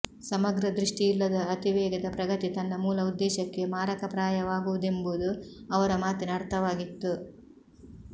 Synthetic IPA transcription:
sɐmɐɡɾɐd̪ɾiʂʈiːlːɐd̪ɐːt̪iʋɛːɡɐd̪ɐpɾɐɡɐt̪it̪ɐnːɐmuːlɐud̪ːɛːʃɐkːe̞maːɾɐkɐpɾaːjɐʋaːɡuʋud̪e̞mbuud̪uɐʋɐɾɐmaːt̪inɐɾt̪ʰɐʋaːɡit̪ːu

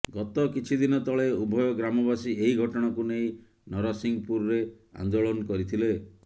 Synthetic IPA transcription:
ɡɔt̪ɔkit͡ʃʰid̪inɔt̪ɔɭeubʱɔjɔɡɾamɔbasieiɡʱɔʈɔɽ̃ɔkunej | nɔɾɔsiŋpuɾɾe | a̰nd̪oɭɔnɔkɔɾit̪ʰile

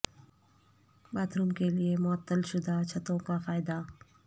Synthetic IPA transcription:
baːt̪ɾuːmkeliemʊət̪ːəlʃʊd̪ʱat͡ʃʰɐt̪õkafaːɪd̪a

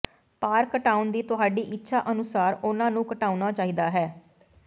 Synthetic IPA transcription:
paːɾkəʈaːund̪iːt̪ʊɦaːɖiːʔɪtːʃʰaːʔənʊsaːɾʊnãːnũːkəʈaːunaːt͡ʃaːiːd̪aːɦɛː

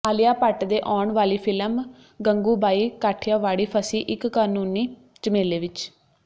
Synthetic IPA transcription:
aːlɪjaːpəʈd̪eːʔɔːɳʋaːliːpʰɪlm | ɡəŋɡuːbaːiːkaːʈʰjaːʋaːɽiːpʰəsiːʔɪkːaːnuːniː | t͡ʃəmeːleːʋɪt͡ʃ

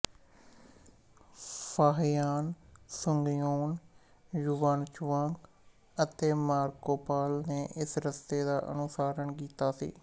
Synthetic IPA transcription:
faːɦjaːnsʊŋɡjoːn | jʊʋaːnt͡ʃʋãːŋk | ət̪eːmaːɾkoːpaːlneːʔɪsɾəst̪eːd̪aːʔə̰nʊsaːɾəɳkiːt̪aːsḭː

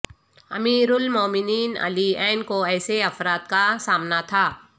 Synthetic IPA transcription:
ɐ̰miːɾʊlmoːmɪniːnə̰liɛːnkoɛːseɐfɾaːt̪kasaːmnat̪ʰaː

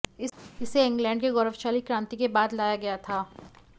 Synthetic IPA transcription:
ɪɪseɪ̃ŋɡlɛ̃ːɳɖkeɡɔːɾəfʃaːlikɾãːnt̪ikebaːd̪laːjaɡɐjat̪ʰaː

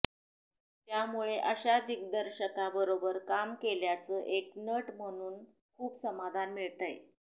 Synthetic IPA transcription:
t̪jamuɭeʔəɕad̪ik̚d̪əɾɕəkabəɾobəɾkamkeljat͡səʔeknəʈm̤əɽ̃uːn | kʰuːbsəmad̪ʱanmiɭt̪əj

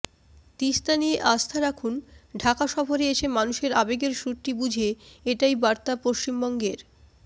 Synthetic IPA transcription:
t̪ist̪anijeʔast̪ʰaɾakʰunɖʱakaʃɔfoɾeeʃʰemanuʃeɾabeɡeɾʃuɾʈːibud͡ʑʱeeʈajbaɾt̪apoʃt͡ɕimbɔŋɡeɾ

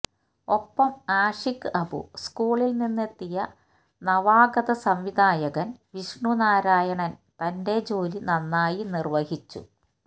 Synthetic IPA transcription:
o̞pːɐmaːʂikːɨɐbṵskuːɭilninːet̪ːijɐ | nɐʋaːɡɐðɐsɐmʋid̪ʱaːjɐɣɐnʋiʂɳunaːɾaːjɐɳɐnt̪ɐnde̞d͡ʑo̞ːlinɐnːaːjinirʋɐɦit͡ɕːṵ

